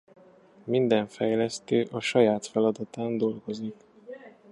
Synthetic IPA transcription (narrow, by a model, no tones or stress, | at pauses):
mind̪ɛɱfɛjlɛst̪øːʔɒʃɒjaːt̪fɛlɒd̪ɒt̪aːnd̪o̞lɡo̞zik